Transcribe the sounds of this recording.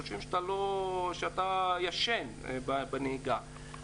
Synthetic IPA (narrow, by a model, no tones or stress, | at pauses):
ʃimʃt̪aloʃeat̪ajaʃenbabaneiɡa